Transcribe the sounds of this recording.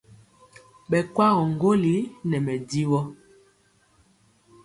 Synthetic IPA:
ɓɛ˨kwa˦ɣɔ˨ŋ˨ɡo˦li˨˦nɛ˨mɛ˨di˦wɔ˦

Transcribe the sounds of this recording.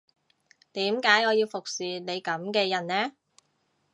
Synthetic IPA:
t̪iː˨˥mkaː˨˥jɔː˨˧jiː˧wfʊ˨k̚siː˨ne˨˧jkɐ˨˥mkɛː˧jɐ˨˩nnɛː˥

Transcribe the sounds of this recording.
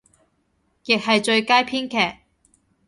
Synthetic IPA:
jɪ˨k̚ɦɐ˨jt͡ʃɵ˧ɥkaː˥jpʰiː˥nkʰɛː˨˩k̚

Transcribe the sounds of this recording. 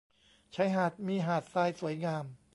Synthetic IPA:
t͡ɕʰa˦˥jɦaː˨˩t̪̚miː˧ɦaː˨˩t̪̚saː˧jsu˨˩˦jŋaː˧m

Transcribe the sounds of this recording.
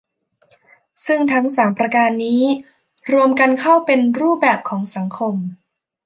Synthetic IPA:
sɯ˥˩ŋt̪ʰa˦˥ŋsaː˩˦mpɾa˧kaː˧nːiː˦˥ | ɾu˧əmka˧nkʰa˥˩wpe˧nɾuː˥˩p̚bɛː˨˩p̚kʰɔː˩˦ŋsa˩˦ŋkʰo˧m

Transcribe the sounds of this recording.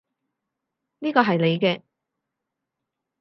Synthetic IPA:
niː˥kɔː˧ɦɐ˨jle˨˧jkɛː˧

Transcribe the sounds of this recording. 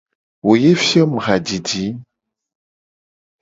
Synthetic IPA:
wo˨je˦fjɔ˦m˨ɣa˨d͡ʒi˨di˨˦

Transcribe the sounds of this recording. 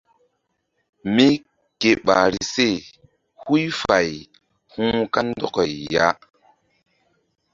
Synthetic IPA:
mi˦ | ke˨ɓa˨ɾi˨se˦˨ | hu˦jfa˨j | hũ˦ka˦ndɔ˦kɔ˨jːa˦

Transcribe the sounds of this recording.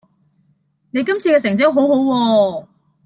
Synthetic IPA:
ne˨˧jkɐ˥mt͡sʰiː˧kɛː˧sɪ˨˩ŋt͡sɪ˥ɦo˨˥wɦo˨˥wwɔː˧

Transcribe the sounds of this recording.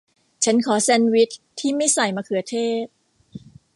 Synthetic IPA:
t͡ɕʰa˦˥nkʰɔː˩˦sɛ˧nwi˦˥t̪ʰːiː˥˩ma˥˩jsa˨˩jmaː˧kʰɯ˨˩˦ɐt̪ʰeː˥˩p̚

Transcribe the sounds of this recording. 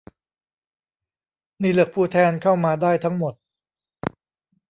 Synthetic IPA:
niː˧˩lɯ˨˩ək̚pʰuː˧˩t̪ʰɛː˧nkʰaː˥˩wmaː˧daː˥˩jt̪ʰa˦˥ŋmo˨˩t̪̚

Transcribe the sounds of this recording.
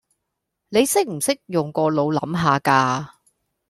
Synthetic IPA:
ne˨˧jsɪ˥k̚m̩˨˩sɪ˥k̚jʊ˨ŋkɔː˧lo˨˧wlɐ˨˥mɦaː˨˧kaː˧

